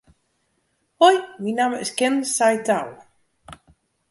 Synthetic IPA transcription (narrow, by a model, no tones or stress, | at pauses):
hɔjminaːmɪskɛnsajtaw